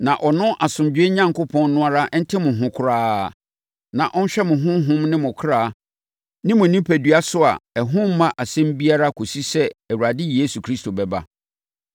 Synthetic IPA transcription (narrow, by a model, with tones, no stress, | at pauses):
nã˨ʔɔ˨nʊ̃˦ʔa˨sʊ̃˨md͡ʑᶣɥe˦ɲã˦ŋkʊ˦pʰɔ̃˦n˦nʊ̃˦a˦ɾa˦n̩˦tʰɪ˦mʊ̃˨ɦʊ̃˨˦kʰʊ˨ɾaː˦˨ | nã˨ʔɔ̃˦n˦ɕᶣɛ˦mʊ̃˨ɦʊ̃˦ɦʊ̃˦mnɪ̃˦mʊ̃˨kʰɾaː˦˨ | nɪ̃˦mʊ̃˨nĩ˦pʰæ˨dɥa˦sʊ˦a̰˨ɛ˨ɦʊ̃˦m̩˦mã˦ʔa˨sɛ̃˦m˦bi˦a˦ɾa˦kʰo˨si˦sɛ˦æ˨wu˨ɾa˨dɪ˦jeː˦su˨kʰɾi˦sto˨bɛ˨ba̰˦